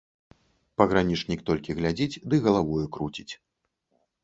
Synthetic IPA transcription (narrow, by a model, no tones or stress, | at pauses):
pɐɣɾanʲit͡ʂnʲikt̪ɔlʲkʲiɣlʲad͡zʲit͡sʲd̪ɨɣɐlˠavɔjukɾut͡sʲit͡sʲ